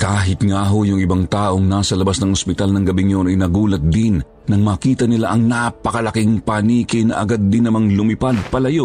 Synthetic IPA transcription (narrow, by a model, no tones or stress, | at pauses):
kaːɦɪt̪ŋaːɦojʊŋɪbaŋt̪aːʔo̞ŋnaːsɐlɐbasnɐŋospɪt̪alnɐŋɡɐbiŋjonɐjnɐɡuːlɐt̪̚d̪ɪnː | ɐŋmɐːkiːt̪ɐnɪla̰ʔɐŋnapɐkɐlɐkɪŋpaniːkɪnɐ̰ʔɐ̰ɡad̪ːɪnɐmaŋlʊmɪpad̪̚pɐlɐjo